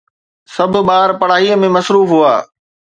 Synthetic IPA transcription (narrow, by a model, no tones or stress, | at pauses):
sɐb̆ʱɓaːɾpɐɽ̤aːɦiəmẽmɐsɾuːfɦua̰ː